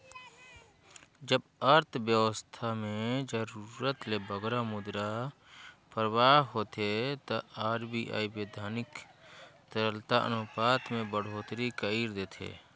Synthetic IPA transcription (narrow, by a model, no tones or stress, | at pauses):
d͡ʒəbəɾt̪ʰbjəʋəst̪ʰamẽd͡ʒəɾuɾət̪lebəɡɾamʊd̪ɾa | pəɾwaːɦɦoːt̪ʰet̪əaːɾbʱiʔa̰ːibeːd̪ʱaːnɪk | t̪əɾəlt̪aʔə̰noːpaːt̪mẽbəɽ̤oːt̪ɾikəiːɾd̪eːt̪ʰḛː